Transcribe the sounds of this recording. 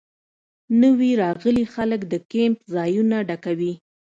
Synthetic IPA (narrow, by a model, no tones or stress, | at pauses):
nəwiɾɑɣəlixaləkd̪əkempzɑjunaɖakawi